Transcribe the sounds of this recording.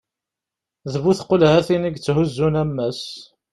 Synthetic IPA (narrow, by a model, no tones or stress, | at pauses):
ðβuθqːolhæθiniɡt͡sːɦʊzːunæmːæs